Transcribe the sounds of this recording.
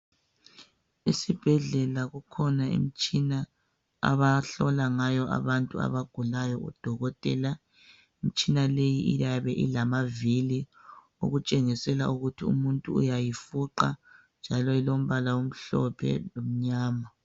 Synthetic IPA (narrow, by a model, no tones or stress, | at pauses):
isib̥ʱɛɮɛlaɣukʰɔnaḭm̩t͡ʃʼina | a̰βaɬɔlaŋajɔʔa̰βantʼua̰βaɡ̥ʱulajɔṵd̥ʱɔɣɔtʼɛːla | imit͡ʃʼinalejiʔijaβɛʔḭlamavili | o̰ɣut͡ʃʼeŋisɛlaʔuɣutʰiṵmuntʼṵːjajifuǃa | nd͡ʒʱalɔɛlom̩βalawom̩ɬɔ̰pʰɛ̰lom̩ɲaːma